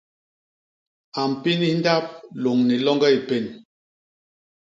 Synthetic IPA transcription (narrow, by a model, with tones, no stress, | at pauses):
a˨m̩˨pi˦ni˦n̩˦da˦p̚lo˨ŋni˨lɔ˦ŋɡɛ˦i˨pe˦˨n